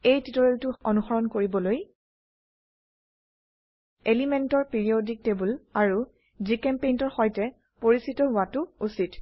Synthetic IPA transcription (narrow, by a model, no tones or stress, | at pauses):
ejtitoɹeltʊɔnuxɔɹɔnkoɹibɔloj | elimentɔɹpiɹiodik̚tebulaɹu | zikɛmpejntɔɹxɔjtɛ | poɹisitɔɦʊatʊusit